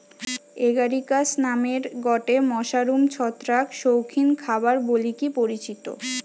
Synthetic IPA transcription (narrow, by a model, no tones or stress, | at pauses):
eɡaɾikasnameɾɡɔʈemɔʃaɾumt͡ɕʰɔt̪ːɾakʃowkʰinkʰabaɾbolikipoɾit͡ɕit̪o̰